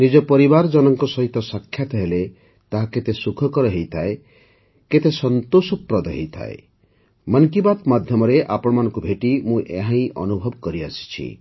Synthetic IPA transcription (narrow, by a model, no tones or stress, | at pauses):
nid͡ʒɔpɔɾibaɾd͡ʒɔnɔŋkɔsɔɦit̪ɔsakʰːjat̪ɔɦele | t̪aɦaket̪esukʰɔkɔɾɔɦejt̪ʰae | ket̪esɔnt̪osɔpɾɔd̪ɔɦejt̪ʰa̰ḛ | mʌnkibat̪mad̪ʱjɔmɔɾeʔapɔɽ̃ɔmanɔ̃ŋkubʱeʈimũʔḛɦãĩʔɔ̰nubʱɔbkɔɾiasi̥t͡ʃʰḭ